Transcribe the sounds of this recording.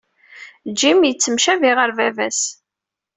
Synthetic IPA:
d͡ʒimjət͡sːəmʃæviʁəɾvævæs

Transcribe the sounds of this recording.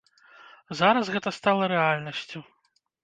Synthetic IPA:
zaɾɐsɣɛt̪ɐst̪alˠɐɾɛalʲnɐsʲt͡sʲu

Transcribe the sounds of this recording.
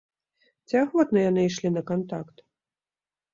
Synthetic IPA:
t͡sʲiaxvɔt̪nɐjanɨiʂlʲinɐkant̪akt̪

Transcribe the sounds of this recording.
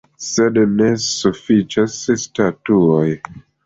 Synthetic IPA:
sedne̞sufit͡ʃasstatuoj

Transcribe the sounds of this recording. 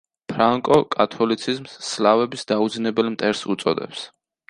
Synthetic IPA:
pʰɾaŋkʼɔkʼat̪ʰɔlit̪sʰizmsːlavɛbisd̪aud̪znɛbɛlmt̪ʼɛɾsut̪sʼɔ̰d̪ɛ̰ps

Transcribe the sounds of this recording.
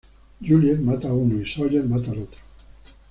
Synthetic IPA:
d͡ʒuljemat̪auneisɔjemat̪aɾot̪ḁ

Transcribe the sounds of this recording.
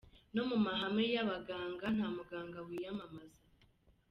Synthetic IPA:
no̞mumaɦamejaβaɡaːŋɡan̥hamuɡaːŋɡawijamamaza

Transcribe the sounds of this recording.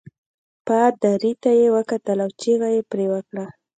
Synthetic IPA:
pad̪aɾit̪ajewəkat̪əlawt͡ʃiɣajepɾewəkɽa

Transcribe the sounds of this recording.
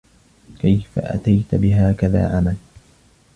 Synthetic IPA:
kajfa̰ʔa̰t̪ajt̪bɪɦaːkaða̰ːʕamal

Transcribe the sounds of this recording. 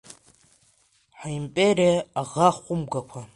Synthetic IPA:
ħaimpʼeriaaʁaχʷʊmɡakʷʰa

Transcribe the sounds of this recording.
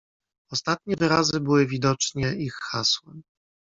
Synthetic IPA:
ɔst̪at̪̚ɲɛvɘɾazɘbɘwɘvʲid̪ɔt͡ʂɲɛixːaswɛm

